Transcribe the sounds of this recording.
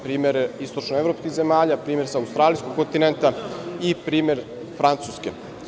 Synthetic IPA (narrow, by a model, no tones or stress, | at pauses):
pɾiːmeɾist̪ot͡ʃnoevɾopskixzemaːʎapɾiːme̞ɾsaːust̪ɾaːlijskoɡ̚kːont̪inent̪aipɾiːmeɾ | fɾant̪suːskḛ